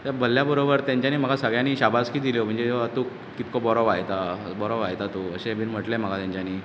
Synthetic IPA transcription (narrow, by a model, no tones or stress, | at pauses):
t̪əɾbəlːjabəɾobəɾt̪jãɲt͡ɕjaniːm̤əɡʱasəɡɭjaniːɕabʱaskiːd̪iljom̤əɳd͡zeat̪uk | kːit̪kobɔɾɔʋajt̪abɔɾɔʋajt̪at̪oəɕebʱinm̤əʈlem̤əɡʱat̪jãɲt͡ɕjaniː